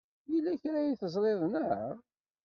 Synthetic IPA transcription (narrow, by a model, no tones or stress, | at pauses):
jilːæçɾæjiθəzˤlˤɪðˤnəhəɾˤ